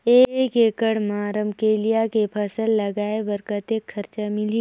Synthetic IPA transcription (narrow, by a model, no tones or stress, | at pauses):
eːkeːkəɽmaːɾəmkeːlijakepʰɐsəlːɐɡaːebəɾkət̪eːkʰːɐɾt͡ʃamɪliː